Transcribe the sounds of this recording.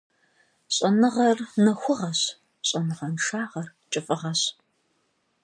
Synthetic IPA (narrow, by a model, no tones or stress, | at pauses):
ɕʼɐnɨʁɐrnɐxʷʊʁɐɕ | ɕʼɐnɨʁɐnʂaːʁɐrt͡ʃʼɪfʼɨʁɐɕ